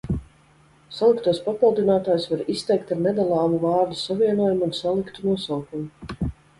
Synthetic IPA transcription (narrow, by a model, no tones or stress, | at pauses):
salˠikt̪uːspapilˠd̪inaːt̪aːjsvaɾist̪ɛjk̚t̪aɾnɛd̪alˠaːmuvaːɾd̪usaviɛnuɔjumunsalˠikt̪unuɔsawkumu